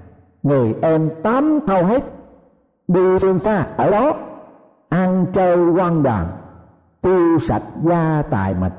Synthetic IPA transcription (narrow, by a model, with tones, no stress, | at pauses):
ŋɨ˨˩jʔɛ˧mt̪aː˨˦mt̪ʰə˧wɦe˦˥t̚ | ɗɨ˧sɨ˧ənsaː˧˩ʔəː˧˩ɗɔ˨˦ | ʔa˧nt͡ɕəː˧jkwa˧nɗa̰ː˨˩ŋ | t̪i˧wsa̰˨˩t̚zaː˧t̪a̰ː˧˨jmə̰˨˩t̚